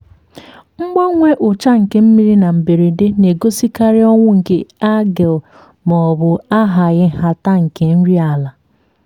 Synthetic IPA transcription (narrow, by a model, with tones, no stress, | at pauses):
ŋ͡m̩˦ɡ͡ba˦ŋʷe˦ʔʊ˨t͡ʃa˦ŋ̩˨ke˨˦m̩˦mi˦ɾi˦na˨m̩˨be˨ɾi˨de˦ne˨ɡo˦si˦ka˦ɾɪ˦ɔ˦ŋʷʊ˦ŋ̩˨ke˦a˦ɡe˨l | mɔ˨ɔ˨bʊ˨a˦ɦa˨ɣɪ˦ɦa˨ta˦ŋ̩˨ke˨n̩˦ɾi˦a˨la˨